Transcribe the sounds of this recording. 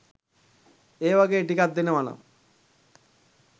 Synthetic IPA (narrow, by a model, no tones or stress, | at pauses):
eːbaɡeʈikat̪̚d̪inemana̰